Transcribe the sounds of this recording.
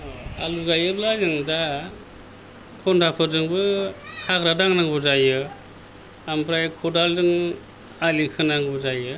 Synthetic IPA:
aluɡajɯblazɯŋda | kʰɔndʰapʰɯdɯŋbɯhakɾadaŋnaŋbɔzajɯ | ampʰɾajkʰɔdaldɯŋ | alikʰɯnaŋbɔzajɯ

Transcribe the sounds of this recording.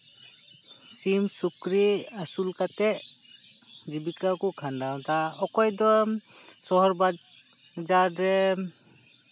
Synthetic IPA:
simsukɾiasulkat̪ɛʔ | d͡ʒibikakukʰandawt̪aɔkɔjd̪ɔ | sɔɦɔɾbad̚ | d͡ʒaɾɛ

